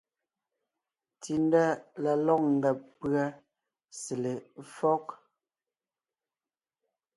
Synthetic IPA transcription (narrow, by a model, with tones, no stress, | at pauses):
ti˨n˦da˦la˨lɔ˦˨k̚ŋ̩˨ɡɛ˨pɰa˦ | se˨le˨fɔ˦k